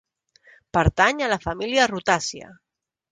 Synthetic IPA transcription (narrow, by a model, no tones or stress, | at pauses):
pəɾt̪aɲəlafamiliarut̪asja̰